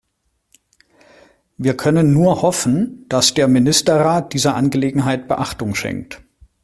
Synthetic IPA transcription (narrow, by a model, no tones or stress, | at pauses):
viːɐkʰœnənːuːɐhɔfn̩d̥asd̥eːɐmɪnɪstɐʁaːt̚d̥iːzɐʔa̰nɡəleːɡŋ̩ɦaɪt̚b̥əʔaχtʊŋʃɛ̰ŋk̚t